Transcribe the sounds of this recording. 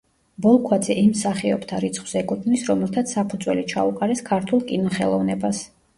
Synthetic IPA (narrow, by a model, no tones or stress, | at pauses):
bɔlˠkʰwad̪zɛʔimsaχiɔbt̪ʰaɾit̪sʰχwz̥ɛkʼut̪ʰnisɾɔmɛlt̪ʰat̪sʰːapʰud̪zwɛlit͡ʃʰa̰uqʼaɾɛskʰaɾt̪ʰulˠkʼinɔχɛlˠɔvnɛbas